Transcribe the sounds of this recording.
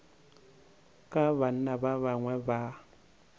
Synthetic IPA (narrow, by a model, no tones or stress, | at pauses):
kʼaβan̩nabaβaŋwɛba